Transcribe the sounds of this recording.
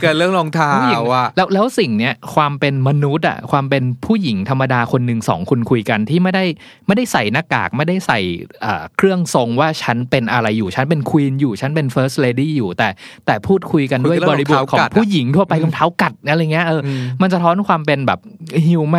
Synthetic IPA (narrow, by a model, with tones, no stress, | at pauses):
lɯ˥˩əŋlɔ˧ŋt̪ʰaː˧˥˨wlɛː˦˥wlɛː˦˥wsi˨˩ŋni˦˥ɐkʰwaː˧mpe˧nma˧nu˦˥t̪̚ʔa̰˨˩kʰwaː˧mpe˧npʰuː˥˩ji˩˦ŋt̪ʰa˧mːa˧daː˧kʰo˧nːɯ˨˩ŋsɔ̰ː˩˦ŋkʰu˧nkʰu˧jka˧nt̪ʰiː˥˩ma˥˩jda˥˩j | ma˥˩jda˥˩jsa˨˩jna˦˥kːa̰ː˨˩k̚ma˥˩jda˥˩jsa˨˩jʔɤː˨˩kʰɾɯ˥˩əŋso˧ŋwaː˥˩t͡ɕʰa˦˥npe˧nʔa˧ɾa˧jːuː˨˩t͡ɕʰa˦˥np̬e˧nkʰwiː˧njuː˨˩t͡ɕʰa˦˥npe˧nfɤː˦˥st̪̚leː˧diː˥˩juː˨˩t̪ɛː˨˩t̪ɛː˨˩pʰuː˥˩t̪̚kʰu˧jka˧ndu˥˩jbɔː˧ɾi˧bo˨˩˨kʰɔː˧˦˨pʰuː˥˩ji˩˦ŋt̪ʰu˥˩ɐpa˧jkʰa˧nt̪ʰaː˦˥˩wka˨˩t̪̚ːa˧jŋːi˦˥ɐ˧ʔɤː˧ma˧ns̬a˧t̪ʰɔː˦˥nkʰwaː˧mpe˧nbɛ̰ː˨˩p̚hi˧wma˥